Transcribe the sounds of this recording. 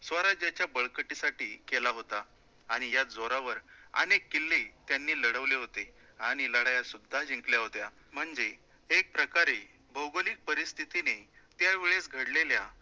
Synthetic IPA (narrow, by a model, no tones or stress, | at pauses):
sʋəɾad͡ʑjat͡ɕjabəɭkəʈisaʈiːkelaɦot̪aː | ɽ̃ijad͡zoɾaʋəɾə̰nekːilːiːt̪janːiːləɽəʋleɦot̪e | aɽ̃iləɽajasud̪ʱːad͡ʑʱĩŋkljaɦot̪ja | m̤əɳd͡zeː | k̚pɾəkaɾe | bʱəwɡolik̚pəɾist̪ʰit̪inet̪jaʋeɭesɡʱəɽlelja